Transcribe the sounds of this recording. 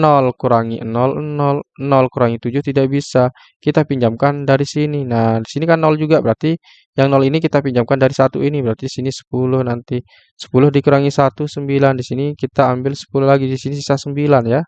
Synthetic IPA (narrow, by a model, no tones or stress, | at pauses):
nɔlkuɾaŋiʔənɔlnɔlnɔlkuɾaŋit̪ud͡ʒʊht̪idaʔbisa | kit̪apiɲd͡ʒamkandaɾisininadisinikanːɔld͡ʒuɡabəɾart̪i | jaŋnɔlinikit̪apiɲd͡ʒamkandaɾisat̪ṵinibəɾart̪idisinisə̥pulʊhnant̪i | sə̥pulʊhdikuɾaŋisat̪usəmbilandisinikit̪aːmbɪlsə̥pulʊhlaɡidisinisisasəmbilanja